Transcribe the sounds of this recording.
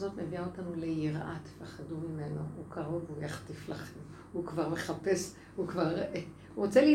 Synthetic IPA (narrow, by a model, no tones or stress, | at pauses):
zo̞tneviaotanule̞jiʁʔate̥faχadumimenoukaʁovujaχtiflaχem | ukvaʁmeχape̞s | hukvaʁ | ʁot͡seli